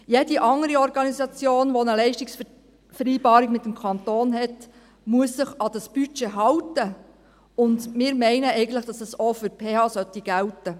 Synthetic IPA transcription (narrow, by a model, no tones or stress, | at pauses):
jediʔɑŋːəɾiɔɾɡɑnisɑt͡sjoːnʋonəlɛɪʃtiks | fəɾiːbɑːɾikmɪtːəmkʰɑnt̪oːnɦɛt | muəsːəχɑd̥ɑsb̥yt͡ʃeɦɑwtə | ʊndmɪːɾmɛɪnəɛɪɡən̩t̪ləχd̥ɑsəsofʏɾpʰeːhɑːsœtːiɡ̥æltə